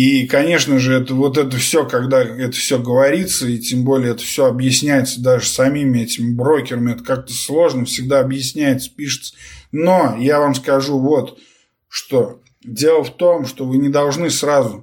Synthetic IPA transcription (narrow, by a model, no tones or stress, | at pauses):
ikɐnʲe̞ʂnəʐɨɛt̪əvo̞t̪̬ɛt̪̬əfsʲokɐɡd̪aɛt̪ə̥fsʲɵɡəvɐɾʲit̪səitʲembo̞lʲɪjəɛt̪ə̥fsʲo̞ɐbjɪsʲnʲæjɪt̪səd̪aʐɨsɐmʲimʲɪɛtʲɪmʲɪbɾo̞kʲɪɾəmʲɪɛt̪ə̥kak̚t̪əslˠo̞ʐnəfsʲɪɡ̚d̪aɐbjɪsʲnʲæjɪt̪sə̥pʲiʂɨ̥t̪sə̥no̞javamskɐʐuvo̞t̪ | ʂt̪o̞ | dʲe̞lˠəft̪o̞mʂt̪o̞vɨnʲɪd̪ɐlˠʐnɨsɾazʊ